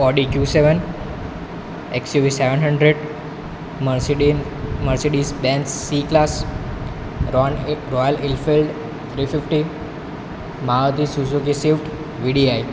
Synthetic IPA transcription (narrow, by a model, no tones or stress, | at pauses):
ɔɖikjuːseʋən | eksjuʋiseʋənɦəɳɖɾeɖ | məɾseɖisbɛ̃nsːiklas | ɾɔjəlilfilɖ | t̪ʰɾifɪfʈi | maət̪isusuk̬isiʋʈ | ʋiɖiaj